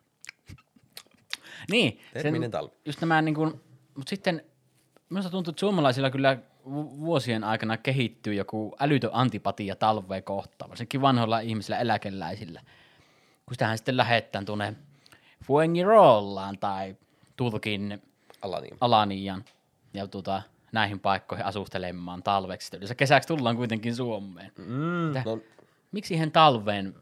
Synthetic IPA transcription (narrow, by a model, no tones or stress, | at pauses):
niːseet̪ɑ̰ljust̪næmæniːŋkun | mut̪sit̪ːen | minust̪ɑt̪unt̪uet̪ːsuomɑlɑˑisilːɑkylːæ | uʋuosienɑˑekɑnɑkehit̪ːyːjokuʔælyt̪øʔɑnt̪ipɑt̪ijɑt̪ɑlʋːˑeːkoht̪ˑɑ̰ːʋɑ̰ˑsenkːˑiʋʋɑnholːɑihmiselːæelækelːæ̰ˑisilːæ | kunsit̪æhænsi̥t̪ːellæhet̪ːˑæːnt̪uonːe | fueŋːiroːlːɑːnt̪ɑˑi | t̪urkin | ɑlɑnijɑn | jɑt̪uot̪ɑ | næˑihimpɑˑekːoˑihiʔɑsust̪elemːɑːnt̪ɑlʋekset̪ːæyløˑsækesækst̪ulːɑːŋkuit̪eŋkinsuomːˑeːnt̪ːæn | miksihent̪ɑlʋˑeːn